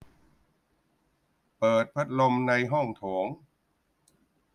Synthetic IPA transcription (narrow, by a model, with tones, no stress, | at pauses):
pɤː˨˩t̪̚pʰa˦˥t̪̚lo˧mna˧jɦɔ˥˩ŋt̪ʰoː˩˦ŋ